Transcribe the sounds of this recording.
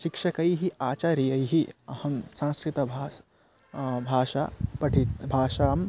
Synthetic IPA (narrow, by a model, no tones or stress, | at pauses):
ʃikʃɐkɐjɦiaːt͡ʃaːɾijɐjɦiɐhɐmsãːnskɾɪt̪ɐbʱa | bʱaːʃa̰pɐʈʰibʱaːʃaːm